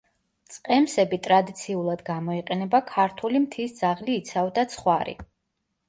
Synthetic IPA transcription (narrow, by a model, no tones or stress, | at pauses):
t̪sʼqʼɛmsɛbit̪ʼɾad̪it̪sʰiulˠad̪ɡamɔiqʼɛnɛbakʰaɾt̪ʰulimt̪ʰisd̪z̥aʁliːt̪sʰavd̪at̪sʰχwaɾḭ